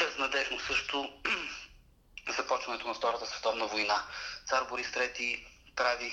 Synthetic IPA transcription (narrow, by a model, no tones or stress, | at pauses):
bɛznɐd̪ɛʒnʊsɤʃt̪ʊ | zɐpɔt͡ʃvɐnɛt̪ʊnɐft̪ɔɾət̪əsvɛt̪ɔvnəvojnat̪saɾboɾist̪ɾɛt̪ipɾavi